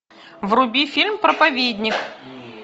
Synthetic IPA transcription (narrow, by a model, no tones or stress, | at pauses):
vrʊbʲifʲilʲmpɾəpɐvʲed̪ʲnʲɪk